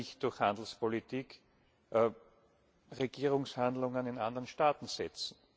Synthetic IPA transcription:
ɪçt̚d̥ʊɐxhãndl̩spolitʰiːk | ʁeɡ̥iːʁʊŋshandlʊŋənɪnãndəʁənʃtaːt̪n̩sɛt͡sn̩

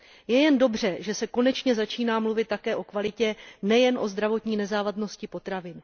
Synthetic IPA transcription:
jɛjɛndo̞br̝ɛʒɛsɛko̞nɛt͡ʃɲɛzat͡ʃiːnaːmluvɪt̪̚ːakɛːʔo̞kvalɪcɛnɛjɛnʔo̞zd̪ɾavo̞t̪ɲiːnɛzaːvadno̞scɪpo̞t̪ɾavɪn

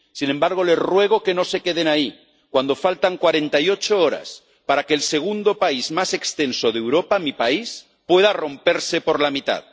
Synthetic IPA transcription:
sinẽ̞mbaɾɣ̞o̞le̞zrwe̞ɣ̞o̞ke̞no̞se̞ke̞ð̞enai | kwand̪o̞falt̪aŋkwaɾe̞nt̪ajot͡ʃooɾa̰s | paɾakelse̞ɣ̞und̪o̞paizmase̞kst̪ensoðewɾo̞pamipais | pwe̞ð̞aro̞mpe̞ɾse̞po̞ɾlamit̪a̰ð

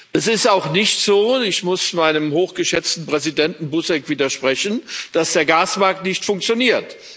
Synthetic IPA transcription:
ʔɛsɪstaʊxnɪçtz̥oːɪçmʊsmaɪnəmhoːxɡ̥əʃɛt͡stn̩pʁ̥ɛzidɛntn̩bʊsɛkv̥iːdɐʃpʁ̥ɛçən̩d̥asd̥eːɐɡaːsmaɐk̚tnɪçtfʊŋkt͡sjoniːɐt

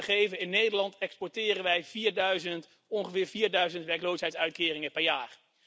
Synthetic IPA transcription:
χejvənɪnejdəɹlɑntɛkspɔɹtɪːrənʋɛjv̥iːɹdœɥzənt | ɔnχəvɪːɹviːɹdœɥzəntʋɛɹklowsɦɛjtsœɥt̚kɪːrɪŋəpɛɹjaːr

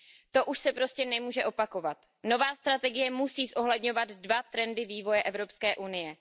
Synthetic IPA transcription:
t̪o̞ʔuʃsɛpɾo̞scɛnɛmuːʒɛʔo̞pako̞vat̪ | no̞vaːst̪ɾat̪ɛɡɪjɛmusiːsʔo̞ɦlɛdɲo̞vad̪dvat̪ɾɛndɪviːvo̞jɛʔɛvɾo̞pskɛːʔunɪjɛ

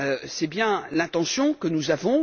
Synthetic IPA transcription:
øsɛbjɛ̃lɛ̃t̪ɑ̃sjɔ̃kənuzavɔ̃

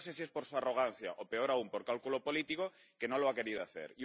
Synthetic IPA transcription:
se̞siespo̞ɾsuaro̞ɣ̞an̟θja̰ʔope̞o̞ɾaumpoɾkalkulo̞po̞lit̪iko̞ | ke̞no̞loake̞ɾiðoaθe̞̰ɾi

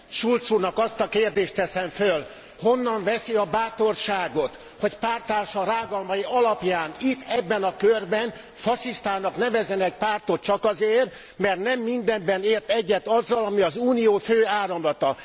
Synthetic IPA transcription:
ʃult̪surnɒkɒst̪ɒkeːrd̪eːʃt̪t̪ɛsɛɱføl | ho̞nːɒɱvɛsiɒbaːt̪o̞rʃaːɡo̞t̪ | ho̞cpaːrt̪aːlʃɒɾaːɡɒlmɒjiɒlɒpjaːnit̪ːɛbːɛnɒkørbɛn | fɒʃiʃt̪aːnnɒknɛvɛzɛnɛc̚paːrt̪ot̪̚t͡ʃɒkɒzeːr | mɛrt̪nɛmːind̪ɛmbɛneːrt̪ɛɟːɛt̪ɒzːɒlɒmiɒzuːnijoːføːaːɾɒmlɒt̪ɒ

